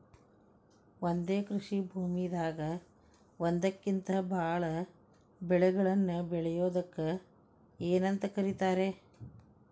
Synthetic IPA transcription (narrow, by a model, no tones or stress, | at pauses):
ond̪e̞ːkɾuʂibʱuːmijd̪aːɡɐ | ond̪ɐkːint̪ɐbʱaːɭɐ | bɛɭɛɡɐɭɐnːubɛɭɛjoːd̪ɐkːɐ | eːnɐnt̪ɐkɐɾit̪aːɾe̞